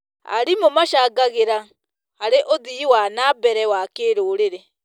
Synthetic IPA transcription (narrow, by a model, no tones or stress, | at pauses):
a̰ɾimomaʃaːɡaɣeɾa | haɾeʔoðiwanabɛɾɛwakeɾoːɾeɾɛ